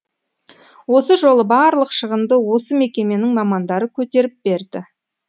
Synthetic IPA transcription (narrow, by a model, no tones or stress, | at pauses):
wo̞səʒo̞lˠəbɑɾlˠəqʃəʁəmd̪əwo̞səmekʲe̞me̞nɪŋmɑmɑnd̪ɑɾəkʲʰɵt̪e̞ɾɪp̚be̞ɾd̪ɪ